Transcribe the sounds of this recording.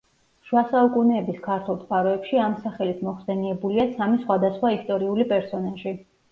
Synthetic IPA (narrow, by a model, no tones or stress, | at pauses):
ʃwasaukʼunɛːbiskʰaɾt̪ʰulˠt̪ʼqʼaɾɔɛpʃiamsaχɛlit̪ʰmɔχsɛniɛbuliasamisχwad̪asχwaist̪ʼɔɾiulipʼɛɾsɔnaʒi